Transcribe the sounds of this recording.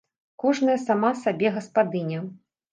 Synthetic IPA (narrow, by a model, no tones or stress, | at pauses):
kɔʐnɐjɐsamasabʲɛɣɐspad̪ɨnʲɐ